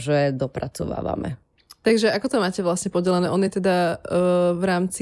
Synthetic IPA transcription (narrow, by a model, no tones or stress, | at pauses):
ʒɛd̪ɔpɾat͡sɔʋa̰ːʋa̰mɛ̰ | t̪aɡʒɛakɔt̪ɔmaːcɛʋlasɲɛpɔɟɛlɛnɛːʔɔnjɛt̪ɛd̪a | ʋɾaːmt͡si